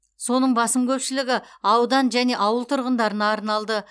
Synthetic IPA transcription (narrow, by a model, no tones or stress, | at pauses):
so̞nəɴbɑsəmkʲʰɵpʃɪlɪɡʲɪɑwd̪ɑnʒæne̞ʔɑwəlˠt̪ʰʊɾʁənd̪ɑɾənɑːɾnɑlˠd̪ə